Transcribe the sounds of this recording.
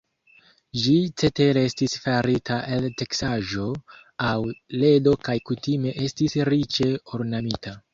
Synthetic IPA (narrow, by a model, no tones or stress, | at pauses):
d͡ʒit͡se̞te̞ɾeestisfaɾitaʔelte̞ksaʒo̞ | awle̞do̞kajkutime̞ʔe̞stisɾit͡ʃe̞oɾnamitʰa